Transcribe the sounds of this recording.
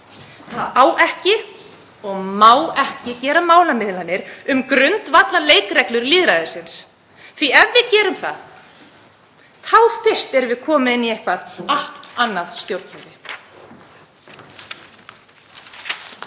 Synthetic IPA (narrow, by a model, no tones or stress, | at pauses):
θaðaːwɛhcɪ | ɔɣmaːwɛhcɪcɛːɾamaːwlamɪðlanːɪɾʏmkɾʏnt̪vat̪laleːjkɾɛklʏɾliːðɾaðɪsɪns | θviɛvːɪðcɛːɾʏmθa̰ð | kʰawfɪr̥st̪ɛɾvɪðkʰɔːmɪðɪnːiejhkvaðal̥t̪anːaðst̪jowɾcʰɛɾvɪ